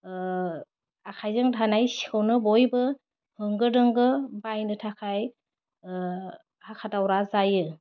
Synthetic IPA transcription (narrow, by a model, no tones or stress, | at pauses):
akʰajzɯŋdʰanajsi̥kʰɯwnɯbɔjbɯ | hɯŋɡɯdɯŋɡɯbajnɯtʰakʰaj | hakʰatawɾazajɯ